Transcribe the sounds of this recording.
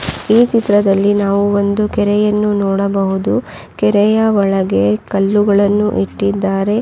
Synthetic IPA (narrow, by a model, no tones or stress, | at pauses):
iːt͡ʃit̪ɾɐd̪ɐlːinaːʋuo̞nd̪ukɛɾɛjɐnːunɔːɽɐbɐɦud̪u | kɛɾɛjɐʋɔɭɐɡe̞kɐlːuɡɐɭɐnːuʔiʈːid̪ːaːɾe̞